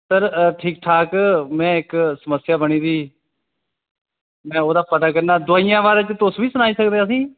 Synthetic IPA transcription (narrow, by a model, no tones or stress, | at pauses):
t̪əɾʈʰiːk̚ʈʰaːkmɛ̃ːɪksəməsɪjaːbəɽ̃iːd̪iː | mɛ̃ːoːd̪aːpəʈ̪aːk̬əɾnaːd̪ʊaːijãːʋaːɾt͡ʃt̪ʊsʋiːsʊnaːiːsəkd̪eːəs̬ĩː